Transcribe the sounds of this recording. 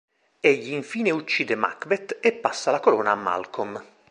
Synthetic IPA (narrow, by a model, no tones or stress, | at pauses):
eʎːiːɱfiːneut͡ʃːiːd̪ema̰kbet̪ːepːasːalakoloːnaːmːa̰lkʰom